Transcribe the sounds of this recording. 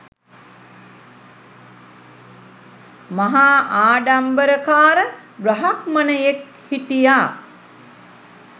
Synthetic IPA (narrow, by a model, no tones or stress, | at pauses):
maɦaːʔaːɖambəɾəkaːɾə | bɾəɦakmənəjek | hiʈijaː